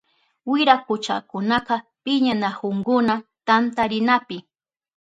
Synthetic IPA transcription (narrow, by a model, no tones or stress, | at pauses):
wɪɾakʊt͡ʃa̰kʊnaqɑpɪɲanahʊŋkʊnat̪ant̪aɾɪnapɪ